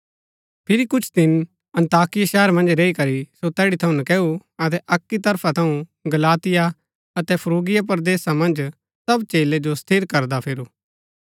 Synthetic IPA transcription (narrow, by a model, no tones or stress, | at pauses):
pʰɪɾikʊt͡ʃʰd̪ɪn | ɐ̃nt̪aːkɪjaʃɛːəɾmɐ̃nd͡ʒɾeːikɐɾisot̪ɛːɽit̪ʰɐũnɐkɛːuɐt̪ɛʔɐkːit̪ɐɾpʰat̪ʰɐũɡɐlaːt̪ɪja | ɐt̪ɛpʰɐɾuːɡɪjap̬ɐɾd̪eːsamɐ̃nd͡ʒ | sɐbt͡ʃeːled͡ʒost̪ʰɪɾkɐɾd̪apʰɪɾuː